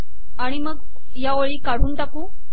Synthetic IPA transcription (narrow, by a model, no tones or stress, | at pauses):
aɽ̃iməɡ | jaʋəɭiːkaɽ̤uːnt̪akũː